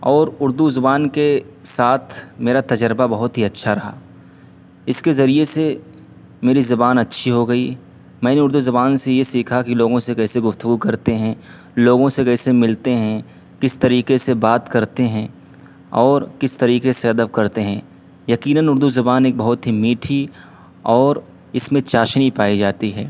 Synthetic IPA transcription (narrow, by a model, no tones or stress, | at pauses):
ɔːɾʊɾd̪uzʊbaːnkesaːt̪ʰmeːɾat̪ɐd͡ʒəɾbabɐɦʊt̪ɦiɐtːʃʰaɾɐɦa̰ː | ɪskezɐɾiese | meːɾizɐbaːnɐtːʃʰiɦoɡɐi | mɛ̃ːneʊɾd̪uzɐbaːnsejesiːkʰakiloːɡõsekɛːseɡʊft̪ʊɡukɐɾt̪eɦɛ̃ | loːɡõsekɛːsemɪlt̪eɦɛ̃ | kɪst̪ɐɾiːkesebaːt̪kɐɾt̪eɦɛ̃ | ɔːɾkɪst̪ɐɾiːkeseɐd̪əbkɐɾt̪eɦɛ̃ː | jɐkiːnənʊɾd̪uzɐbaːneːk̚bɐɦʊt̪ɦimiːʈʰi | ɔːɾ | ɪsmẽt͡ʃaːʃnipaːid͡ʒaːt̪iɦɛː